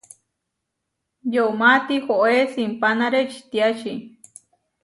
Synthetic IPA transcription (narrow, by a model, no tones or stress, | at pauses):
joumat̪ixoʔesimpanaɾet͡ʃʰi̥t̪iat͡ʃi